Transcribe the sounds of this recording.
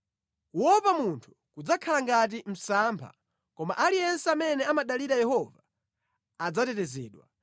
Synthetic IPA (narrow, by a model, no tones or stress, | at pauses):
wɔpamuntʰu̥kud͡zakʰalaŋɡat̬im̩sampʰa̰ | kɔmaʔalijɛnsɛamɛnɛamaɗaliɾajɛhɔvaː | d͡zatɛtɛzɛ̰ːɗwa